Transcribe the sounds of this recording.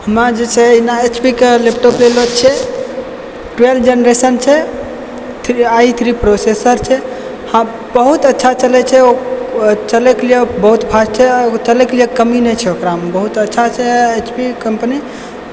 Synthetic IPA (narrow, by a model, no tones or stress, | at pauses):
həmɾad͡ʒet͡ʃʰɛinaet͡ʃpikelep̚ʈoplelot͡ʃʰɛ | ʈɾeld͡ʒenɾesənt͡ʃʰɛ | t̪ʰɾiait̪ʰɾipɾosesəɾt͡ʃʰɛ | hã | bəɦut̪ətːʃʰat͡ʃəlɛt͡ʃʰɛo | t͡ʃəlɛkelijebəɦut̪bʰʱast͡ʃʰɛt͡ʃəlɛkelijekəminet͡ʃʰɛokɾaɦmbəɦut̪ətːʃʰat͡ʃʰɛet͡ʃpikəmpni